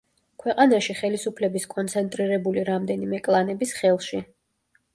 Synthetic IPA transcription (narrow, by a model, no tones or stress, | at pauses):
kʰwɛqʼanaʃiχɛlisupʰlɛbiskʼɔnt̪sʰɛnt̪ʼɾiɾɛbuliɾamd̪ɛnimɛkʼlˠanɛbisχɛlˠʃi